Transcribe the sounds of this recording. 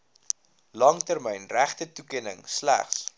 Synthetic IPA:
lɐŋtərməjnræχtətukiənə̰ŋslæ̰χs

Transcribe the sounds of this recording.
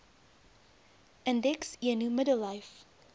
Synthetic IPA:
əndɛksiənumədəlˠːɐjf

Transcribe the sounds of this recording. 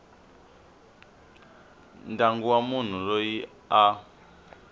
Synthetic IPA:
ndaŋɡuwamun̤urɔji | a

